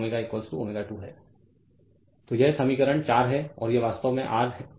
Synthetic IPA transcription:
meːɡaekːɔːlsʈuomeːɡaʈuːɦɛː | t̪ojesɐmiːkəɾəɽ̃t͡ʃaːɾɦɛɔ̰ːɾjeʋaːst̪əʋmẽʔaːɾɦɛ

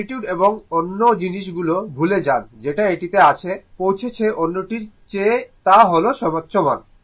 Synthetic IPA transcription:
iʈjuɖeboŋonːod͡ʑiniʃ̬ɡulobʱuled͡ʑand͡ʑeʈaeʈit̪eat͡ɕʰepowt͡ɕʰet͡ɕʰeʔonːoʈiɾt͡ɕet̪aɦoloʃɔmatːɕʰoma̰n

